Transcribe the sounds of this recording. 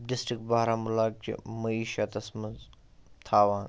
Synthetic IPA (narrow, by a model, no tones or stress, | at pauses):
ɖɪsʈɾɪk̚ʈ̚baɦɾaːmʊlaːk̚t͡ʃḭmɐiːʃat̪ɐsmɐz | t̪ʰaːʋãː